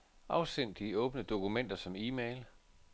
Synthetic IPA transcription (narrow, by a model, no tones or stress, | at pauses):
ʔɑ̈ʊsen̰d̥iɔ̽ːb̥nəd̥o̝kumen̰d̥ɐsɒ̽miːmeɪl